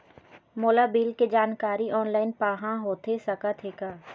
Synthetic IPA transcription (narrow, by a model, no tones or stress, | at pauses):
moːlabiːlked͡ʒaːnkaːɾiʔɔːnlaːɪnpaːɦãɦoːt̪ʰesɐkat̪ʰeːkaː